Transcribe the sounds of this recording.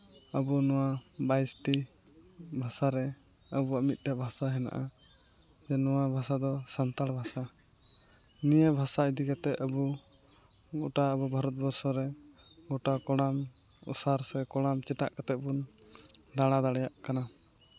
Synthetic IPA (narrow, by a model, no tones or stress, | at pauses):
əbunɔwabajsʈi | bʱasaɾɛ | əbuwaʔmit̪̚ˀʈabʱasaɦɛna̰ʔa | d͡ʒɛnɔwabʱasad̪ɔsant̪aɽbʱasa | nijɛbʱasaid̪ikat̪ɛʔəbu | ɡɔʈaəbɔbʱaɾɔt̪̚bɔɾsɔɾɛɡɔʈakɔɽam | ṵsaɾsɛkɔɽ̃amt͡ʃɛʈa̰ʔkat̪ɛbun | d̪aɽ̃ad̪aɽɛjaʔkana